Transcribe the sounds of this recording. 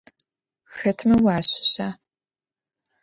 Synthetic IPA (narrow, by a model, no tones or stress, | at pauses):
xɐtʰmɐwaːɕɪ̥ɕaː